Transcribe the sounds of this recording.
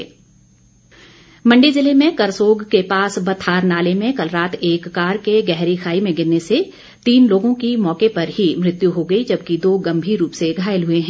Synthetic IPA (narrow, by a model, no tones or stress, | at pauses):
mɐ̃ɳɖizɪlemẽkɐɾsoːɡkepaːsbɐt̪ʰaːɾnaːlemẽkɐlɾaːt̪ʰeːkːaːɾkeɡɛɦɾixʰaːimẽɡɪnːese | t̪iːnloːɡõkimɔːkepɐɾɦimɾɪt̪juɦoɡɐid͡ʒɐb̚kid̪oːɡɐ̃mbʱiɾuːpseɡʱaːjəlɦʊeɦɛ̃